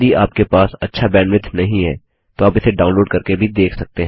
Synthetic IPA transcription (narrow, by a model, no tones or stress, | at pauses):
iʔaːp̚kepaːsɐtːʃʰabɛːnʋɪt̪ʰnɐɦĩɦɛ̰ː | t̪oaːpɪseɖaːʊnloːɖkɐɾkebʱid̪eːkʰsɐk̚t̪eɦ